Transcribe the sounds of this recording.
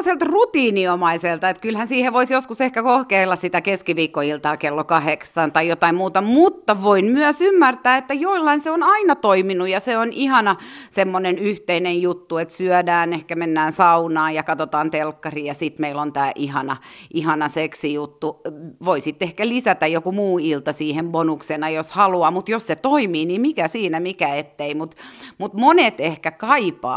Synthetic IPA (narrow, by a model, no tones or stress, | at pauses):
selt̪rut̪iːniomɑiselt̪ɑet̪kylhænsiːheʋoisjoskusehkækohkeilːɑssit̪ækeskiʋiːkːoilt̪ɑːkelːokɑheksɑnt̪ɑijot̪ɑimmuːt̪ɑmut̪ːɑʋoinmyœsymːært̪æːet̪ːæjoilːɑinseonɑinɑt̪oiminujɑseonʔihɑnɑsemːonenyht̪einejjut̪ːuet̪syœdæːnehkæmenːæːnsɑunɑːjɑkɑt̪ot̪ɑːnt̪elkːɑriːjɑsit̪meilont̪æːʔihɑnɑʔihɑnɑseksijut̪ːuʋoisit̪ːehkælisæt̪æjjokumuːilt̪ɑsiːhembonuksenɑjoshɑluɑːmut̪josset̪oimiːnimikæsiːnæmikæet̪ːeimut̪mut̪monet̪ehkækɑipɑ̰ː